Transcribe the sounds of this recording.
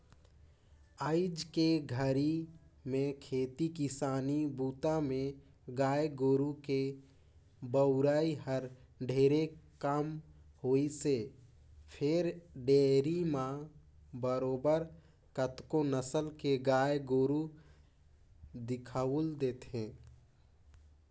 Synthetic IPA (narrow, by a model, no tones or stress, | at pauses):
aːɪd͡ʒkeɡʱəɾimẽkʰeːt̪ikɪsaːnibuːt̪amẽ | ɡaːjɡoːɾuke | bəʊɾaːiɦəɾ | ɖʱeːɾekamhoːise | pʰɪɾɖeːɾimã | bəɾoːbəɾ | kət̪konəsəlkeɡaːjɡoːɾu | d̪ɪkʰald̪eːt̪ɦẽː